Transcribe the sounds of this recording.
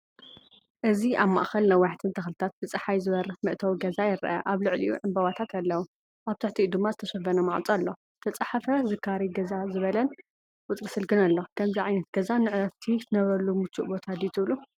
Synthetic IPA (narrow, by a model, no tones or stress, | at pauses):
ʔɨziʔaβma̰ʔxɐlnɐwaħt̪ʰɨnt̪ʰɐxlɨt̪ʰat̪̚zɨt͡sʼɐħajzɨβɐɾɨxmɨʔt̪ʰɐwɡɐzajɪɾʔɐ̰ʔaβlɨʕlḭjuʕɨmbɐwat̪ʰat̪ʰalːɐwu | ʔaβt̪ʰɨħt̪ʰiud̪ɨmːazɨt̪ʰɐʃɐfɐnɐmaʕt͡sʼalːo̞z̥ɨt̪ʰɐt͡sʼaħafɐzɨkʰːaɾiɡɐzazɨβɐlɐn | wʊt͡s̪ʼɾisɨlɡɨnalːo̞kʰɐmziʕajnɐt̪ɡɐzanɨʕɾɐft̪ʰizɨnɐβɐlumɨt͡ʃʰːuʔbo̞t̪ʰad̪it̪ʰɨβlu